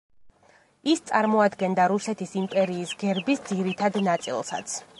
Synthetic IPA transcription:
ist̪sʼaɾmɔad̪ɡɛnd̪aɾusɛt̪ʰisimpʼɛɾiːsɡɛɾbisd̪ziɾit̪ʰad̪nat̪sʼḭlˠsa̰t̪sʰ

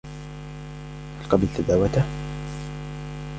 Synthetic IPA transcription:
halqɑbɪlt̪ad̪aːwat̪a

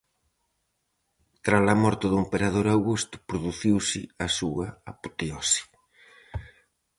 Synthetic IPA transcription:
t̪ɾalamɔɾt̪ʊðʊimpeɾað̞oɾawɣust̪ʊ̥pɾoðuθiwsɪasuɐapu̥t̪eɔsi̥

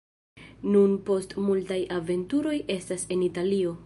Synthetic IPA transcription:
nunpo̞stmultajave̞ntuɾo̞je̞stase̞nitalio̞

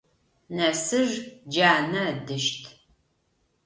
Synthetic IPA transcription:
nɐsɨʒd͡ʒaːnɐdɨʃtʰ

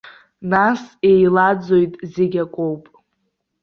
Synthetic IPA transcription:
nase̞jlad͡zo̞jtʼzeɡʲakʷʼowpʼ

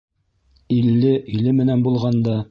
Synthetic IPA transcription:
ilːɘʔilɘmɘ̆nænbulˠʁɑnd̪ɑ

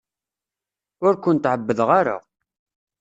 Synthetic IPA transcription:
ʊɾkʷʊnt̪ʕəbːəðʁaɾa̰

